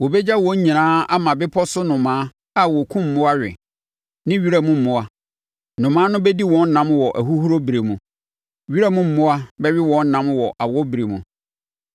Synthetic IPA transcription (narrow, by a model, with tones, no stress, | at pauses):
wo˨bɛ˦d͡ʑa˦wɔ̃˦ɲ̩˦ɲĩ˨nãː˦a˦mã˨bɪ˦pʰɔ˦sʊ˦nʊ̃˨mãː˨˦ | a˦wɔ˨kʰũ˦m̩˨mʊ̃˦a˦ɥᶣɪ̰˨ | nɪ̃˦ɥi˦ɾa˦mũ˦m̩˨mʊ̃˦a˦ | nʊ̃˨mãː˨˦nʊ̃˦bɛ˦di˦wɔ̃˦n̩˦nã˦mwɔ˨ʔæ˨ɦu˦hu˦ɾo˦bi˨ɾe˨mũ˨ | ɥi˦ɾa˦mũ˦m̩˨mʊ̃˦a˦bɛ˦ɥɪ˦wɔ̃˨˦n̩˦nã˦mwɔ˨ʔa˨wɔ˦bi˨ɾe˨mũ˨